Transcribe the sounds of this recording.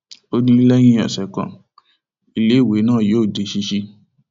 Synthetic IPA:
o˧dũ˧li˦lɛ˦j̃ĩ˦ɔ˨sɛ˨kã̰˨ | i˨le˨˦˨we˨˦nãː˦˨joː˨˦˨de˨˦ʃi˧˦ʃi˧

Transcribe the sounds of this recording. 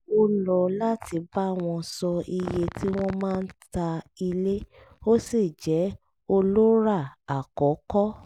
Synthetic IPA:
o˦lɔ˧la˦tʰi˧ba˦˨w̃ɔ̃˧sɔ˧i˧je˧ti˦w̃ɔ̃˦mãː˦˧n̩˦ta˧i˧le˦ | o˦si˦˨d͡ʒɛ˨˦ | o˧lo˦ɾa˦˨a˨kɔ˨˦kɔ˦

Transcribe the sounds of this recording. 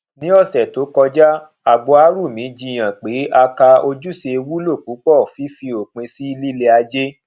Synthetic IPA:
nĩ˦ɔ˦˨sɛ˨to˨˦kɔ˧d͡ʒa˦ | a˨ɡ͡bɔ˧a˧˦ɾu˦˨mĩ˨˦d͡ʒĩ˧˨j̃ã˨k͡pe˨˦ʔa˧ka˧o˧d͡ʒu˦se˧wu˦lo˦˨k͡pu˨˦k͡pɔ˦˨fi˨˦fi˧o˨k͡pĩ˧si˦li˦le˧a˧d͡ʒe˦

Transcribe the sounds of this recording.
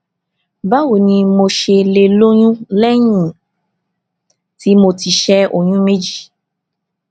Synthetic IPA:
ba˦wo˨nĩ˧mo˧ʃe˧le˧lo˦ɲ̃ũ˦lɛ˦j̃ĩ˦˨ | ti˨˦mo˧ti˨ʃɛ˧o˨j̃ũ˦me˦d͡ʒi˦˨

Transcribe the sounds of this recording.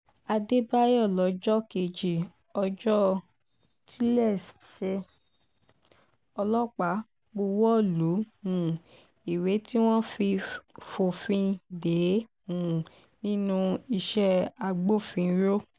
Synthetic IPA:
a˧de˦ba˦jɔ˦˨lɔ˨˦d͡ʒɔ˦ke˧˨d͡ʒi˨ | ɔ˧d͡ʒɔ˦ | tʰi˦lɛ˦˨s | ʃe˧ | ɔ˧lɔ˦k͡pa˨˦ | ɡ͡bo˧wɔ˦˨lu˨˦ũ˨ | i˨we˨˦ti˦w̃ɔ̃˦fi˧fo˨fĩ˧de˨˦ | ũ˨ | nĩ˦nũ˦˧i˧ʃɛ˧a˧ɡ͡bo˦˨fĩ˧˦ɾo˦

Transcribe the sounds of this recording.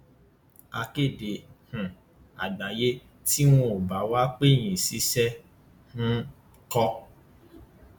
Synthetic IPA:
a˧ke˦˨de˨hũ˨ | a̰˨ɡ͡ba˨je˦ | ti˦w̃ũ˦o˨ba˨˦wa˦k͡pe˦˨j̃ĩ˨si˨˧˦sɛ˦ | nũ˦ | kɔ˧

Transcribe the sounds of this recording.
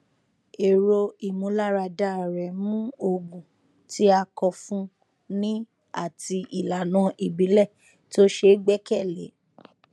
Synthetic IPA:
e˨ɾo˧i˨mũ˨˦la˦ɾa˧da˦˨ɾɛ˨˦mũ˦o˧ɡũ˨ | tʰi˦a˧kɔ˧fũ˦ | nĩ˦ | a̰˦˨ti˧ʔi˨la˨nã˨˧˦ʔi˨bi˨˦lɛ˦˨ | to˦ʃe˧˦ɡ͡bɛ˦kɛ˦˨lḛ˨˦

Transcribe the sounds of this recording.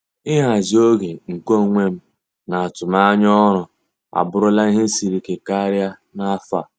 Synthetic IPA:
ɪ˦ɦa˨zi˦o˦ɡe˨ŋ̩˨ko˦˨ŋʷe˦m̩˦ | na˨a˨tʊ˨ma˦ɲ˦ɔ˦ɾʊ˨ | a̰˨bʊ˦ɾʊ˦la˦i˦ɦe˦si˨ɾi˨ke˨ka˦ɾja˦ | na˦a˦fa˨

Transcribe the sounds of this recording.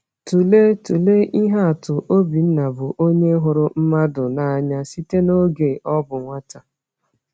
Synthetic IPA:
tu˨le˦tu˨le˦ʔi˦ɦa˦a˨tʊ˨ʔo˦bi˨n̩˦na˨bʊ˨ʔo˦ɲe˦ɦʊ˨ɾʊ˦m̩˦ma˦dʊ˨na˦a˦ɲa˦si˦te˦no˦ɡe˨ʔɔ˦bʊ˨ŋʷa˦ta˨

